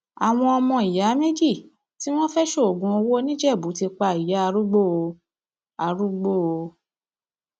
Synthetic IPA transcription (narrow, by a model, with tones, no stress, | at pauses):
a˨w̃ɔ̃˧ɔ˧mɔ̃˧i˨ja˨˦me˦d͡ʒi˦˨ | ti˦w̃ɔ̃˦fɛ˦ʃo˦o˨ɡũ˨˦o˧wo˦nĩ˦d͡ʒɛ˦˨bu˨˦ti˧k͡pa˧˨i˨ja˨˦a˧ɾu˦ɡ͡bo˦˨˧ | a˧ɾu˦ɡ͡bo˦˨o˧